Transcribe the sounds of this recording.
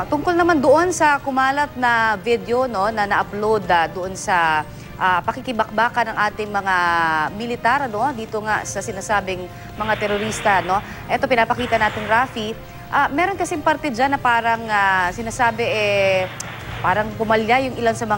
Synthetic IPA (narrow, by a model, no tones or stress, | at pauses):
t̪ʊŋkolnɐmand̪oʔo̞nsɐkʊmaːlɐt̪̚nɐvid̪jo̞no̞nɐnɐʔɐplowd̪ad̪oʔo̞nsɐ | ʔapɐkɪkɪbɐk̚baːkɐnɐŋʔaːt̪ɪŋmɐŋamɪlɪt̪aɾʔɐno̞d̪iːt̪oŋasɐsɪnaːsaːbɪŋ | mɐŋat̪ɛɾoɾist̪ɐno̞ | ʔɛt̪o̞pɪnaːpɐkiːt̪ɐnaːt̪ɪŋɾaːfi | ʔamɛːɾo̞nkɐsɛŋpɐɾt̪ɛd͡ʒanːɐpaːɾɐŋasɪnaːsaːbɛʔɛ | paːɾɐŋpʊmɐljajʊŋʔɪlansɐmɐ